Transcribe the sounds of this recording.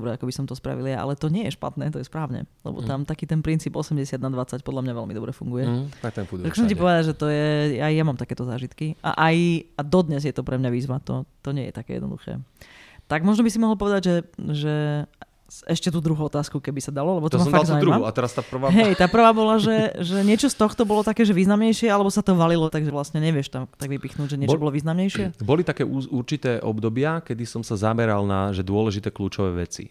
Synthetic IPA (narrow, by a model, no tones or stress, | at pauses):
bɾɛakɔbisɔmt̪ɔspɾa̰ʋilja̰ʔa̰lɛt̪ɔɲɪɛjɛʃpa̰t̪nɛ̰ːt̪ɔjɛspɾaːʊɲɛ̰lɛ̰bɔ̰t̪amt̪akiːt̪ɛnpɾint͡siːbɔsɛmɟɛsɪad̪nad̪ʋat͡sac̚pɔd̪lamɲaʋɛlmid̪ɔbɾɛfuŋɡujɛakt̪ɛukt͡sɛmcipɔʋɛd̪aʒɛt̪ɔjɛjajjamaːmt̪akɛːt̪ɔzaːʒit̪kia̰ʔajad̪ɔd̪ɲɛzjɛt̪ɔpɾʔɛmɲaʋiːzʋat̪ɔt̪ɔɲɪɛ̰jɛ̰t̪akɛ̰ːjɛ̰nɔ̰d̪ṵxɛ̰ːt̪aɡmɔʒnɔbisimɔɦl̩ˠp̬ɔʋɛd̪aɟʒɛʒɛ | ɛʃcɛt̪uːd̪ɾuɦuɔt̪aːskukɛbisad̪alɔlɛbɔt̪ɔmasɔfalɡzauiɾumamuat̪ɛɾast̪aːpr̩ʋaːɦɛɛjt̪aːpr̩ʋaːbɔlaʒɛʒɛɲɪɛt͡ʃɔst̪ɔxt̪ɔbɔlɔt̪akɛːʒɛʋiːznamɲɛjʃɪɛalɛbɔsat̪ɔʋalilɔt̪aɡʒɛʋlasɲɛɲɛʋɪɛʃt̪amt̪aɡʋipixnuːɟʒɛɲɪɛt͡ʃɔbɔlɔʋiːznamɲɛjʃɪɛbɔlit̪akɛːʔuuɾt͡ʃit̪ɛːʔɔbd̪ɔbɪakɛd̪isɔmsazamɛɾalna̰ʒɛd̪ʊɔlɛʒit̪ɛːkluːt͡ʃɔʋɛ̰ːʋɛ̰t͡sḭ